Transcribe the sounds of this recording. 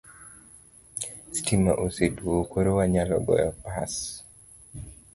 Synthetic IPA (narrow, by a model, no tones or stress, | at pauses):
stima̰ʔoseduokoɾowaɲalɔ̰ɡɔ̰jɔpas